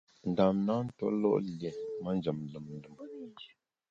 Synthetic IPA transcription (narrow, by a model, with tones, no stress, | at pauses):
n̩˨da˨mna˦n̩˦to̰˦lɔ̰˦ʔle˨ma˦n˦d͡ʒə˨m˨lə˨mn˦də˨m˨i˨